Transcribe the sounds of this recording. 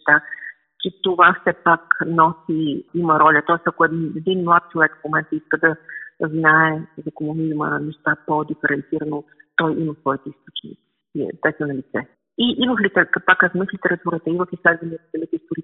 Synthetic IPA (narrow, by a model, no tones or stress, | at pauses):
ʃt̪a | t͡ʃɛt̪ovafsɛpaknɔsiiməɾɔlʲət̪ɔɛst̪ɐkoɛɛd̪inmlˠat̪̚t͡ʃilˠɛt̪fmomɛnt̪əiskəd̪ɐznaɛzɐkomuniimə̰nɛʃt̪apod̪ifɛɾɛnt̪siɾənot̪ɔjʔiməsvɔit̪ɛist̪ot͡ʃnḭ | iḭt̪ɛt̪ənɐlit̪sɛ | iʔiməxlit̪ɛkt̪pakːaznəxlit̪ɛɾɐt̪uɾət̪əiməxislɛd̪vəniət̪sɐmit̪ɛist̪oɾi